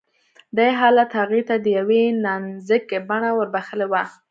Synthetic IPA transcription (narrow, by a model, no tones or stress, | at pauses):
d̪ajɦɑlat̪haɣet̪ad̪əjawenɑnzəkebaɳawəɾbaxəlewa